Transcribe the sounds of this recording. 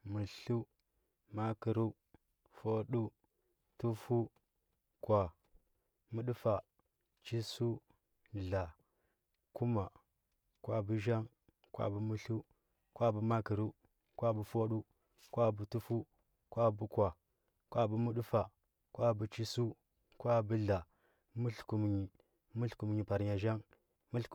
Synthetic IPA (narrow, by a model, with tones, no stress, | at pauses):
mu˨ɬu˦ | ma˦ki˨ɾu˦ | fo˦ɗu˦ | tu˦fu˦ | kwa˨ | mu˦ɗu˦fa˨ | t͡ʃi˦su˦ | ɮa˨ | ku˦ma˨ | kwʷa˦bu˦ʒa˦ŋ | kwa̰˨bu˦mu˦ɬu˦ | kwa˦˨bu˦ma˦ki˨ɾu˦ | kʷa˦bu˦fo˦ɗu˦ | kwa˦˨bu˨tu˦fu˦ | kwa˦bu˦kwa˨ | kwa˦bu˦mu˦ɗu˦fa˨ | kwa˦bu˨t͡ʃi˦su˦ | kwa˦bu˦ɮa˨ | mu˦ɬku˨m˨ɲi˨ | mu˦ɬku˨m˨ɲi˨pa˨ɾɲa˨ʒa˦ŋ | mu˦ɬ